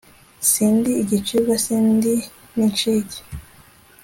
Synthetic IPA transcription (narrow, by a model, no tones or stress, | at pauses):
siːndiːɟit͡ʃiɾɡasiːndi | nint͡ʃiɟe̥